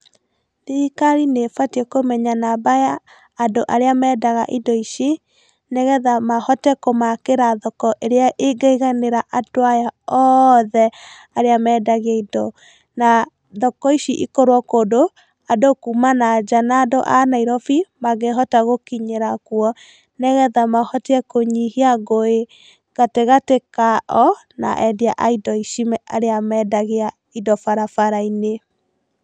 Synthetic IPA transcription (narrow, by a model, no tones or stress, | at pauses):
nikaɾinefatɔkomɛɲanabajaː | ndoʔaɾeamɛːdaɣa̰ʔidɔiʃi | neɣɛðamahɔtɛkomakeɾaðɔkɔʔeɾeaʔeɡaiɣaneɾaʔatoajaɔðɛ | aɾeamɛːdaɣjaidɔ | na | ðɔkɔiʃiʔḭkoɾwɔkoːdo | adokumanad͡ʒanaːdo̰ʔanaiɾɔfimaɣeɦɔtaɣokiɲeɾakuɔ | nɛɣɛðamahɔteɛkoɲihiaɣoe | ɣateɣatekaʔɔ | na̰ʔɛdiaʔaidɔiʃimɛʔa̰ɾeamɛdaɣea | idɔfaɾafaɾaine